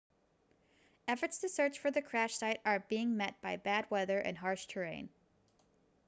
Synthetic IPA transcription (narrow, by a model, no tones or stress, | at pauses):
ɛfə˞tstʰɨsɜ˞t͡ʃfə˞ðɨkʰɹ̥æʃsaɪɾə˞biɪ̃ŋmɛt̚b̥aɪbæd̚wɛðə˞ʔɨ̰̃nɦɑɹʃtʰə˞ẽɪ̃n